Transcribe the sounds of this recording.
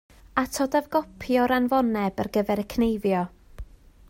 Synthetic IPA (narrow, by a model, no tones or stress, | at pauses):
atʰɔdavɡɔpʰjɔɾanvɔnɛbərɡəvɛɾəkʰnejvjɔ